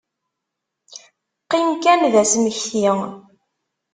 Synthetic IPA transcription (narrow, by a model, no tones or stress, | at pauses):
qːinkænðæsməçθi